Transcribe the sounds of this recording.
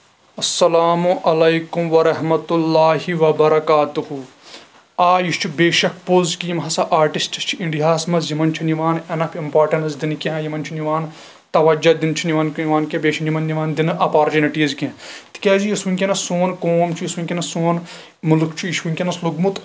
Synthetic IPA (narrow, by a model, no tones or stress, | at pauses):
ɐsːɐlaːmuʔɐlɐjkumʋɐɾɐɦmɐt̪ulːaːɦiʋɐbɐɾɐkaːt̪uhu | aːjiʃt͡ʃʰibeːʃɐk̚ʰpozkijimɦɐsɐʔaːɾʈisʈɐst͡ʃʰiʔiɳɖiɦaːsmɐzjimɐnt͡ʃʰiniʋaːnɐnɐpʰimpaːɾʈɐɳɐzd̪inkʲẽjimɐnt͡ʃʰiniʋaːn | t̪ɐʋɐd͡ʒɐd̪int͡ʃʰiniʋɐnkniʋaːnkʲẽbeːʃɐnimɐnniʋaːnd̪inʔɐpaːɾt͡ʃuniʈiːzkẽt̪i̥kʲeːd͡ʒijisʋinʲkʲinɐsoːnkoːmt͡ʃʰijisunʲkʲenɐsoːn | mulukʰt͡ʃʰijiʃʋunʲkʲenɐsluɡmut̪